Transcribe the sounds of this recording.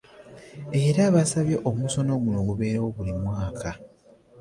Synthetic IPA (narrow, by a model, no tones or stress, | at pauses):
e̞ɾaβasaβjeʔomuso̞no̞ɡuno̞ɡuβe̞ːɾawo̞βulimwaːkʰa